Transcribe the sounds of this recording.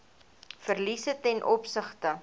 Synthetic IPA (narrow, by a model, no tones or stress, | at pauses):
fərlisətɛnʔɔpsəχtə